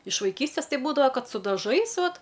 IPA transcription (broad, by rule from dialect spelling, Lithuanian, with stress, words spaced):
ɪʃ ʋɐɪˈkʲiːsʲtʲeːs ˈtɐɪ ˈbuːdɐʋɐ ˈkɐt sʊ dɐˈʒɐɪs ˈʋɐt